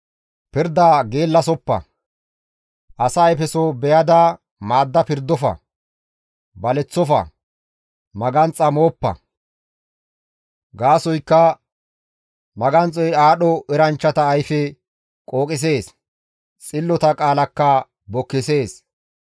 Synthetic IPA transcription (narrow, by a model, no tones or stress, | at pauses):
pɪɾd̪aːɡe̞ːlːɐs̬ɔpːɐ̰ | ʔɐsɐjfɛsobɛjɐd̪a | maːd̪ːɐpɪɾd̪ːɔfɐ̰ | bɐlɛt͡sːɔfɐ̰ | mɐɡɐnt͡sʼːɐmo̞ːpːɐ̰ | ɡaːsɔjkːɐ | mɐɡɐnt͡sʼːɔjaːɗɔʔɛɾɐnt͡ʃːɐt̪ɐːjfɛ | kʼo̞ːkʼɪs̬e̞ːs | t͡sʼɪlːɔt̪ɐkʼaːlɐkːɐ | bɔkːɪse̞ːs